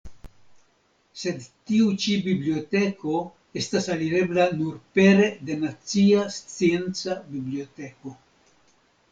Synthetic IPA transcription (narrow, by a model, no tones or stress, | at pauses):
se̞d̪tiut͡ʃibiblio̞t̪e̞ko̞ | e̞stasaliɾe̞blanuɾpe̞ɾe̞d̪e̞nat͡siast͡sient͡sabiblio̞t̪e̞ko̞